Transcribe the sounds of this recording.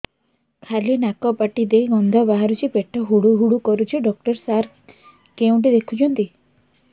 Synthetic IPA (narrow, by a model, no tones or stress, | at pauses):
kʰalenakɔpaʈid̪ejɡɔnd̪ʱɔbaɦaɾut͡ʃʰipeʈʰɔɦuɽuɦuɽukɔɾut͡ʃʰiɖɔk̚ʈɔɾsaɾ | keũʈ̬id̪ekʰut͡ʃʰɔnt̪i